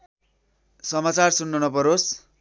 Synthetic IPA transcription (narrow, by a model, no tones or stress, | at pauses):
sʌmat͡sarsunːʌnʌpʌɾos